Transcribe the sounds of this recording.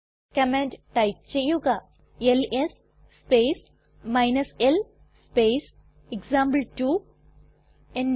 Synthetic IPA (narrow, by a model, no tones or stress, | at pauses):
kɐmẽɳɖʈaj̚t͡ʃejuɡa | eles | speːs | majnɐsel | speːs | eɡzãːmblʈu | ẽn